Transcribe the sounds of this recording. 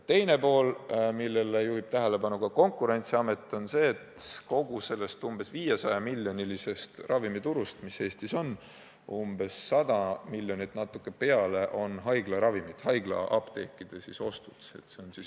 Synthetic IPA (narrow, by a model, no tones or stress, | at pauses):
t̪e̞jne̞po̞ːlmilːe̞lejuhib̥̚t̪æɦele̞pɑnukɑko̞ŋkːˑuɾe̞nʲt̪siɑme̞t̪ːˑo̞nse̞ːt̪ˑko̞ɡ̥use̞lːe̞st̪umb̥e̞sviːjesɑjɑmiljo̞nʲilise̞st̪rʔɑvimit̪uɾust̪mise̞ːst̪iso̞n | umbe̞sːɑd̪̥ɑmilʲːjo̞nit̪ːˑnɑt̪ːˑukːˑe̞pe̞ɑle̞ʔo̞nɦɑjɡlɑɾɑvimit̪hɑjɡ̥lɑ̰ʔɑb̥t̪e̞kːˑid̪̥esiso̞st̪ud̪̥e̞̰t̪se̞o̞nsis